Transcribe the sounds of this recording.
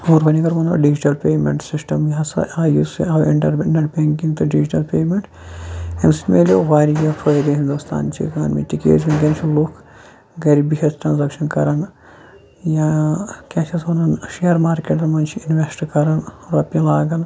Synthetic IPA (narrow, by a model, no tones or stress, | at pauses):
oːɾbɐnikɐɾʋɐnɐ̰ɖid͡ʒiʈɐlpʲeːmʲḛɳʈsisʈɐmjɐsɐ̰aːjusḭɐːwiɳʈɐɾɳʈɐʈbeŋkĩŋɡt̪uɖid͡ʒiʈɐlpeːmeɳʈ | ensi̥meljoʋaːɾijɐfʰoiɡɐɦind̪ust̪ʰa̰ːnt͡ʃʰḭka̰ːnmḭt̪ikḛːzinkʲɐnt͡ʃʰiloːk | ɡɐɾibiɦʲɐsʈɾɐnzɐkʃɐnkɐɾɐn | jakʲat͡ʃʰɐsʋɐnɐnʃejɐɾmaːɾkeʈd̪ɐmɐnt͡ʃʰiinʋesʈkɐɾɐnɾɐpːilaːɡɐn